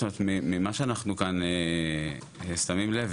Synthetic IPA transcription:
omeet̪mimimaʃeanaχnukane | st̪amimlev

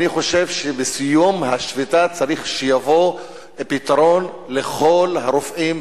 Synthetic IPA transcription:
niχo̞ʃevʃebesijumhaʃvit̪at͡saɾiχʃejavo̞ | pit̪aɾo̞n | leχo̞lhaɾofʔim

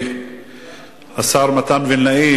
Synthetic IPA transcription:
asaɾˤmat̪anvinlai

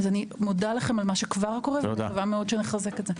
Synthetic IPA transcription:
zanimodalaχe̞malmaʃekvaʁko̞ʁev̰aavameo̞dʃeneχazeketze

